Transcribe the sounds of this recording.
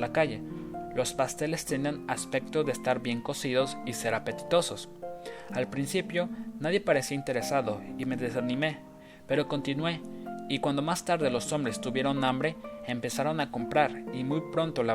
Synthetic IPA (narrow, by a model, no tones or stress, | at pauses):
lakaʝe̞lo̞spast̪e̞le̞st̪enianaspe̞k̚t̪oðeːst̪aɾbje̞ŋko̞siðo̞sise̞ɾape̞t̪i̥t̪o̞so̞salpɾinsipjo̞naðje̞paɾe̞siaint̪e̞ɾe̞saðo̞ime̞ðe̞sanime̞ | pe̞ɾo̞ko̞nt̪inwe̞ikwand̪o̞mast̪aɾðe̞lo̞sombɾe̞st̪uβje̞ɾo̞nãmbɾe̞empe̞saɾo̞nako̞mpɾaɾimujpɾo̞nt̪ola